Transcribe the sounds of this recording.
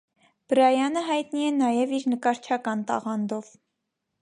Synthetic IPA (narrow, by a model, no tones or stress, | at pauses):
b̥əɾɑjɑnəɦɑjt̪niɛnɑjɛviɾnəkɑɾt͡ʃʰɑkɑnt̪ɑ̰ʁɑnd̪ɔv